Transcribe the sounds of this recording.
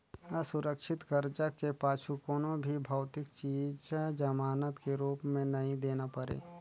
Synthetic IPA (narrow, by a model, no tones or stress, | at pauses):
əsʊɾəkʃɪt̪kəɾd͡ʒakepaːʃʰukonõbʱibʱaʊt̪ɪkt͡ʃiːd͡ʒd͡ʒəmaːnət̪keɾuːpmẽnɐɦĩd̪eːnapəɾḛː